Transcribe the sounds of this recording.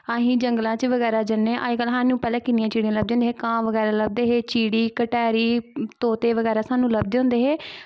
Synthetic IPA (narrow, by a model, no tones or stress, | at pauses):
aːɦĩːd͡ʒəŋɡlãːt͡ʃʋəɣɛːɾaːd͡ʒənːeʔa̰ːikəlɦãːnũːpɛːlɛ̃ːkɪnɪjãːt͡ʃiːɽijãːləb̚d̪eõnd̪eːɦeːkãːʋəɡɛːɾaːləb̚d̪eːɦeːt͡ʃiːɽiːkəʈɛːɾiːt̪oːt̪eːʋəɣɛːɾaːsaːnũːləb̚d̪eːɦõnd̪eːɦeː